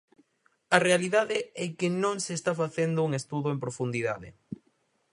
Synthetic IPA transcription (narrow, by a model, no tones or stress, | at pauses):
ɐrealiðaðɪɛkɪnõŋseːst̪afaθend̪ʊuŋest̪uðʊempɾofund̪iðaðɪ̰